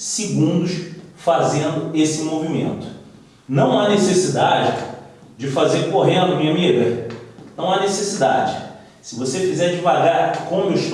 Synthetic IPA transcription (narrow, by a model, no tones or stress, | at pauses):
siɡũnd̪ʊʃfazẽnd̪ʊesɪmovimḛ̃nt̪ʊ̥ | nɐ̃w̃anesesid̪ad͡ʒɪ | d͡ʒɪfazeɾkoɦẽnd̪ʊɐmĩɲɐmiɡɐnɐ̃w̃anesesid̪a̰d͡ʒɪ | sɪvosefizɛɾd͡ʒɪvaɡaɾkõmeʃ